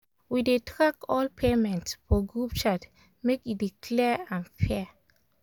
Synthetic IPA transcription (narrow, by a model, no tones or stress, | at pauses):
widetʰɹakɔlpʰemɛ̃ntsfɔɡɹup̚t͡ʃat | mekidikʰlɛãnfɛ